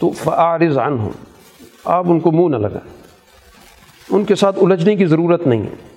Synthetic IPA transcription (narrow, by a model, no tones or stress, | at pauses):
t̪ofɐʔaʕɾɪzʕɐnɦʊ̰m | a̰ːpʊnkomũːnɐlɐ̰ɡa̰ːe | ʊnkesaːt̪ʰʊləd͡ʒnekizɐɾuːɾət̪nɐɦḭ̃ɦɛ̰ː